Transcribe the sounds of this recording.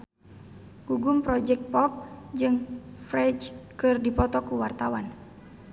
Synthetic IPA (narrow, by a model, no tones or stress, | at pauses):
ɡ̥uɡumpɾɔd͡ʒɛk̚t̪̚pɔp̚d͡ʒɨŋfɾɛd͡ʒkɨrdipɔt̪ɔkuwart̪awan